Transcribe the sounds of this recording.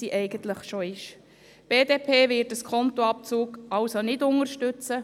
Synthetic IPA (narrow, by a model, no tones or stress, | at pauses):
siʔɛɪɡ̥ənt̪ləχʃoɪʃ | b̥eːdeːpʰeːvɪɾtəskʰɔnt̪oɑp̚t͡suːkɑlsonɪdʊŋəɾʃtʏt͡sə